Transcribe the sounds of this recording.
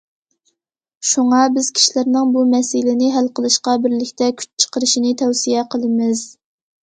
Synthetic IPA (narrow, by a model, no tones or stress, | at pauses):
ʃuŋɑbɪz̥kʲʰi̥ʃilæɾnɪŋbumɛsɪlɪnɪɦælqəlˠɨʃqɑbɪɾlɪkʲt̪ʰɛkʲʰy̥t͡ʃt͡ʃʰə̥qəɾɨʃinɪt̪ʰɛwsijɛqʰəlˠɨmɪz̥